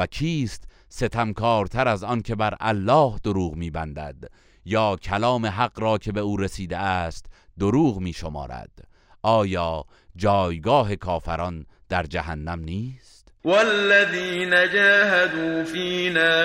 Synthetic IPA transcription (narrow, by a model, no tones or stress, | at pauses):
ækʰiːst̪ | se̞t̪ʰæmkʰɒːɾt̪ʰæɾæzɒnkʰe̞bæɾʔæ̰lːɒːhd̪oɾuːɣmiːbænd̪æ̰d̪ | jɒːkʰælɒːme̞ɦæɣɾɒːkʰe̞be̞uːɾesiːd̪eæːst̪d̪oɾuːɣmiːʃo̞mɒ̰ːɾæ̰d̪̥ | ɒːjɒː | d͡ʒɒːjɡɒːɦe̞kʰɒːfæɾɒn | d̪̥æɾd͡ʒæɦænːæmniːst̪walːaðiːnad͡ʒaːɦad̪uːfiːnaː